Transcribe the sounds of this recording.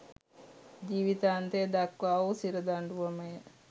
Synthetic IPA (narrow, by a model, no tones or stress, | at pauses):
d͡ʒiːʋit̪aːnt̪ed̪akʋaːosiɾəd̪aɳɖuʋəməjə